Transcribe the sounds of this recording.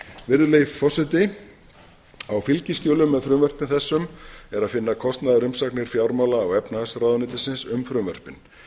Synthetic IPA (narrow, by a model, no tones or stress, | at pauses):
vɪɾðʏleːjfɔsɪt̪ɪ | awfɪlcɪscɔːlʏmːɛðfɾʏːmvœr̥pɪnθɛsːʏmɛɾaðfɪnːakʰɔst̪naðaɾʏmsaknɪɾ̥fjawɾmawlaːwɛpnahasɾaːwðʏnɪt̪ɪsɪnsʏmfɾʏːmvœr̥pɪn